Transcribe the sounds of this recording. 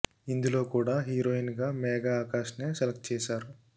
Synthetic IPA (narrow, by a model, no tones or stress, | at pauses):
ind̪ulo̞ːkuːɽaːɦiːɾoːjinɡaːmɛːɡaːaːkaːʃneːsɛlɐk̚t̪̚t͡ʃɛːʃaːɾu